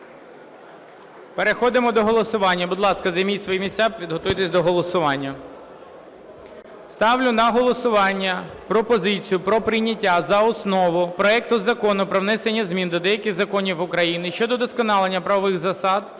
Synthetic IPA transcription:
peɾexɔd̪ɪmɔd̪ɔɦɔlˠɔsʊʋɑnʲːɐbʊd̪lˠɑskɐzɐjmʲitʲsʋɔjimʲisʲt͡sʲapʲid̪ɦɔt̪ujt̪esʲd̪ɔɦɔlˠɔsʊʋɑnʲːɐ | st̪ɑwlʲʊnɐɦɔlˠɔsʊʋɑnʲːɐpɾɔpɔzɪt͡sʲijʊpɾɔpɾɪjnʲɐtʲːazɐɔsnɔʋʊpɾɔɛk̚t̪ʊzɐkɔnʊpɾɔʋnɛsenʲːɐzmʲind̪ɔd̪ɛjɐkʲiɣzɐkɔnʲiwʊkɾɐjinɪʃt͡ʃɔd̪ɔd̪ɔskɔnɑlˠenʲːɐpɾɐʋɔʋɪxzɐsɑd̪

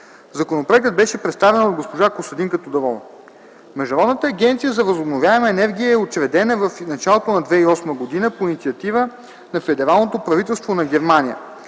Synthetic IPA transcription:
zɐkonopɾoɛkəd̪̚bɛʃɛpɾɛt̪st̪avɛnod̪̚ɡospoʒakosɐd̪inkɐt̪ɔd̪ɐvɔlˠ | mɛʒd̪ɐɾɔd̪nət̪əːɡʲɛnt̪sijəzɐvɐzobnovʲjaɛməɛnɛɾɡʲiəɛot͡ʃɾɛd̪ɛnəvɐfnɐt͡ʃalˠot̪onɐd̪vɛiɔsməɡod̪inəpoinit̪siɐt̪ivə | nɐfɛd̪ɛɾalˠnot̪opɾɐvit̪ɛlˠst̪vonɐɡʲɛɾmanijə̰

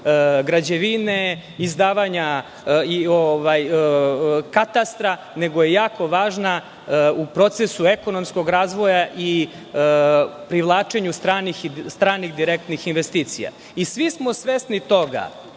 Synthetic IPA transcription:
ɡɾad͡ʑeʋine | izd̪aːʋaɲa | ioʋaj | kat̪ast̪ɾa | ne̞ɡojejaːko̞ʋaːʒna | upɾo̞t̪se̞sue̞ko̞no̞msko̞ɡɾaːzʋo̞jaʔi | pɾiʋlˠaːt͡ʃe̞ɲust̪ɾaːnixst̪ɾaːniɣd̪iɾek̚t̪nixinʋest̪iːt̪sḭja̰ | isʋismosʋesnit̪o̞ɡa̰

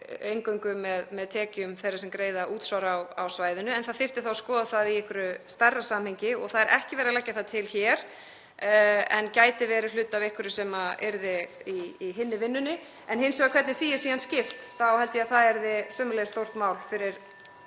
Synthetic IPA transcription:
ejŋkœɥŋkʏmɛðmɛðt̪ʰɛːcʏmθejɾasɛmkɾeːjðaʔuːt̪svaɾawawsvaːjðʏnʏɛnθaðθɪr̥t̪ɪ̥θawskɔːðaθaðiɛhkʏɾʏst̪arːasamhejɲcɪɔ̰ɣθaðɛɾʔɛhcɪvɛːɾalacːaθaðt̪ʰɪlçɛːɾ̥ | ɛ̰ncaːjt̪ɪvɛːɾɪflʏːt̪avejhkvʏɾʏsɛmaʔɛɾðɪiiɦɪnːɪvɪnːʏnːɪ | ɛnhɪnsɛakʰvɛt̪nɪ̥θiːɪɾ̥siːanscɪft̪θawhɛlt̪ɪjaðθaðɛɾðɪsœːmɪlɛðst̪owr̥t̪mawlfɪɾɪɾ̥

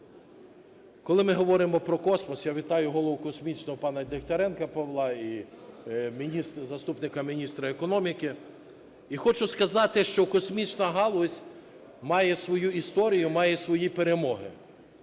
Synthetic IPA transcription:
kɔlˠɪmɪɦɔʋɔɾɪmɔpɾɔkɔsmɔsjaʋʲit̪ɑjʊɦɔlˠɔʋʊkɔsmʲit͡ʃnɔɦɔpɑnɐd̪ʲext̪ʲɐɾɛnkɐpɐʋlˠɑi | mʲinʲiszɐst̪upnɪkɐmʲinʲist̪ɾɐekɔnɔmʲikɪ | ixɔt͡ʃʊskɐzɑt̪ɪʃt͡ʃɔkɔsmʲit͡ʃnɐɦɑlˠɔsʲ | mɑjɛsʋɔjuist̪ɔɾʲijʊmɑjɛsʋɔjipeɾemɔɦɪ̰

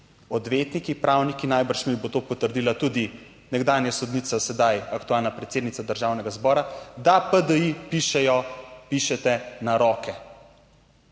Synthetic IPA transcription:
ɔd̪ʋeːt̪nikipɾawnikinajbəɾʃmibot̪oːpɔt̪əɾd̪iːlat̪uːd̪i | nɛɡd̪aːnjɛsɔd̪niːt̪sasɛd̪ajakt̪uaːlnapɾɛt̪seːd̪nit̪sad̪əɾʒaːwnɛɡazbɔːɾad̪apəd̪əipiʃɛjɔpiːʃɛt̪ɛnaɾɔːkʰɛ

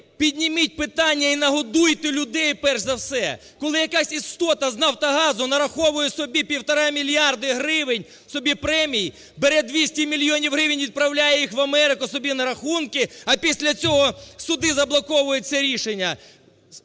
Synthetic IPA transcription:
pʲid̪ʲnʲimɪt̚ʲpɪt̪ɑnʲːɐinɐɦɔd̪ujt̪ɪlʲʊd̪ɛjpɛrʃzɐwsɛ | kɔlˠɪjɐkɑsʲist̪ɔt̪ɐznɑwt̪ɐɦɑzʊnɐɾɐxɔʋʊjɛsɔbʲipʲiwt̪ɐɾɑmʲilʲjɑrd̪ɪɦɾɪʋɪnʲ | sɔbʲipɾɛmʲij | beɾɛd̪ʋʲisʲtʲimʲilʲjɔnʲiwɦɾɪʋɪnʲʋʲid̪̚pɾɐwlʲajɛjixʋɐmɛɾɪkʊsɔbʲinɐɾɐxunkɪɐpʲisʲlʲɐt͡sʲɔɦɔsʊd̪ɪzɐblˠɔkɔʋʊjʊt͡sʲːɐɾʲiʃenʲːɐ

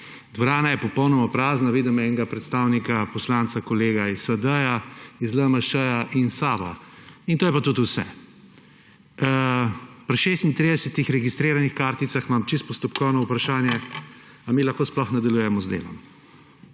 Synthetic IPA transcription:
d̪ʋɔɾaːnajɛpɔpɔwnɔmapɾaːznaʋiːd̪əmɛnɡapɾɛt̪st̪aːwnikapɔslaːnt̪sakɔleːɡaisəd̪əjaizləmɐʃəjaʔinsaːba̰int̪oːjɛpat̪ut̪wsɛ̰ | pɾiʃest̪int̪ɾiːd̪ɛsət̪ixɾɛɡist̪ɾeːɾanixkaɾt̪it̪saxmamt͡ʃist̪̚pɔst̪ɔpkɔwnɔupɾaʃaːnjɛ | amilaxkoːsplɔxnad̪ɛluːjɛmɔzd̪ḛːlɔ̰m

